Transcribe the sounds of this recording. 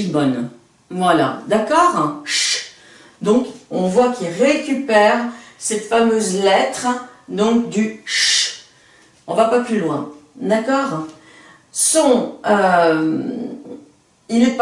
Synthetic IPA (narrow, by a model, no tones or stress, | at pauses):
bɔn | vwala̰d̪akɔːʁʃ | d̪ɔ̃kɔ̃vwakilʁekʲypɛʁsɛt̪famøzlɛt̪χd̪ɔ̃k̚d̪yʃ | ɔ̃vapaplylwɛ̃d̪akɔːʁ | sɔ̃ø | ilɛp